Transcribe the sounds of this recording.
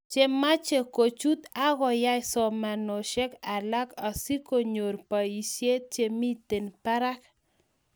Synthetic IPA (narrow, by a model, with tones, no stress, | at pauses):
t͡ʃe˦ma˦t͡ʃe˨ko˨t͡ʃu˦t̪a˦ɣɔ˨ja˦jsɔ˨ma˨nɔ˨ʃe˦ka˨la˦ka˨si˦ko˦˨ɲo˨ɾpa˨i˨sje˦t̪̚t͡ʃe˨mi˦t̪e˨npa˦ɾa˦k